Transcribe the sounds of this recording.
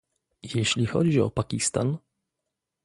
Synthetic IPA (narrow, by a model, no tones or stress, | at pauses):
jeɕlʲixɔ̰d͡ʑiɔ̰pakʲist̪a̰n